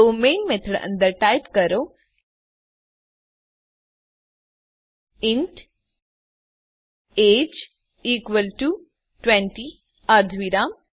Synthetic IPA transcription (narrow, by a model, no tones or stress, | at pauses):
oːmẽːnmet̪ʰəɽə̰̃nd̪əɾʈaːjpkəɾo | ɪ̃ɳʈ | eːd͡ʒ | iːkʋəlʈu | ʈwẽɳʈi | ɐɾd̪ʱʋiɾaːm